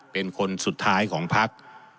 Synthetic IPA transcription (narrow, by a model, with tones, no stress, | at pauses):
pe˧nkʰo˧nsu˨˩t̪ʰːaː˦˥jkʰɔː˩˦ŋpʰa˦˥k̚